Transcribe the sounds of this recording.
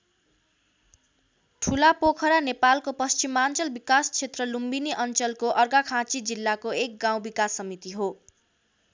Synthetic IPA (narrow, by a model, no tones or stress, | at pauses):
ʈʰulapokʰʌɾanepalkopʌst͡ɕimant͡sʌlbikast͡ɕʰet̪rʌlumbiniʔʌnt͡sʌlkoʔʌrɡakʰãt͡sid͡zilːakoek̚ɡaw̃bikasːʌmit̪iɦo